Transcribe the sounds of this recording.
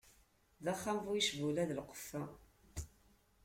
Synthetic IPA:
ðæχːamvujiʃvulæðəlqːə̥fæ

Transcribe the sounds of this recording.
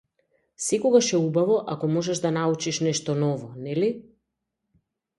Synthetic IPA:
sɛkɔɡaʃɛubavɔʔakɔmɔʒɛʃd̪anaut͡ʃiʃnɛʃt̪ɔnɔvɔnɛli

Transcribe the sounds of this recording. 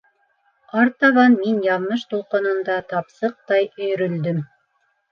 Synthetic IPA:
ɑɾt̪ɑβɑnminjɑðmɤʃt̪ulˠqɤ̆nɤ̆nd̪ɑt̪ɑpsɤq̚t̪ɑjɵ̆jɵ̆ɾɵ̆ld̪ɘm

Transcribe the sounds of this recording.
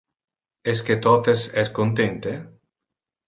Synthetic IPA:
esket̪ɔt̪esɛskont̪ent̪e

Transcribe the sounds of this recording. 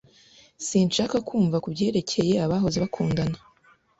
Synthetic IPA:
sinʃaːkakʰuːɱvakubɟe̞ːɾe̞cʰe̞je̞aβaːɦo̞ziβakʰuːndana

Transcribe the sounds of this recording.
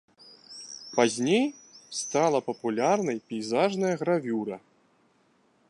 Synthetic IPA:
pazʲnʲejst̪alˠɐpɐpulʲarnɐjpʲɛjzaʐnɐjɐɣɾavʲuɾɐ

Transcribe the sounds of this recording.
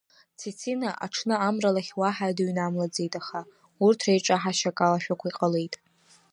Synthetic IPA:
t͡sʰit͡sʰinaʔa̰ʈ͡ʂʰnɨamralaχʲwaħadaɥnamlad͡ze̞jtʼaχa | urtʰrejʈ͡ʂʼaħaʃakʼalaʃᶣakʷʰaiqʼale̞jtʼ

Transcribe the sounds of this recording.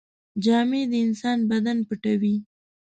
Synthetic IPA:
d͡ʒɑmed̪əɪnsɑnbad̪anpəʈawi

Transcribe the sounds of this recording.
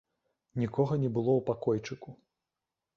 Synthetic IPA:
nʲikɔɣɐnʲɛbɨlˠɔwpakɔjt͡ʂɨku

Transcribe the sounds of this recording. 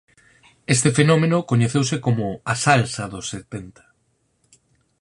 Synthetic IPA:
est̪efenɔmenʊkoɲeθewsekomʊasalsɐðʊset̪ent̪ɐ̥

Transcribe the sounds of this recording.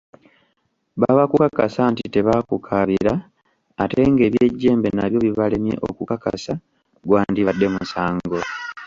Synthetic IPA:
βaβakukakasantite̞βakukʰaβiɾaː | te̞ŋɡe̞ːβje̞ɟːe̞ːmbe̞naβjo̞βiβale̞mje̞̰ʔo̰kukaka̰sa | ɡwaːndiβadːe̞musaːŋɡo̞

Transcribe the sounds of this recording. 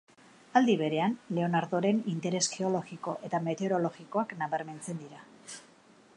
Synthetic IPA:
ald̪iβe̞ɾe̞anle̞o̞naɾðoɾe̞nint̪e̞ɾe̞sxe̞o̞lo̞ɣiko̞ʔe̞t̪ame̞t̪eoɾo̞lo̞ɣiko̞aknaβeɾme̞nt͡se̞nd̪iɾa

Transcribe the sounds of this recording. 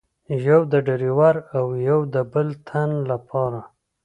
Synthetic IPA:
ʒawd̪əɖaɾiwaɾawjawd̪əbəlt̪ʰanlapʰɑɾa

